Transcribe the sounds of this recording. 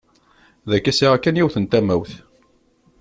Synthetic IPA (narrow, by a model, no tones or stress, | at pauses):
ðækːæsiʁækːænjiwθənt̪æmæwθ